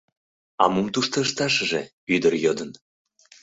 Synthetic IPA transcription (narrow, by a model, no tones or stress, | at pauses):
ɑ̰mumt̪uʃt̪ə̆ʃt̪ɑʃəʒe | yd̪ərjod̪ən